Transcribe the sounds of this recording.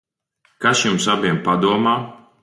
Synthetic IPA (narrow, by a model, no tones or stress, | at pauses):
kasjumsabiɛmpad̪uɔmaː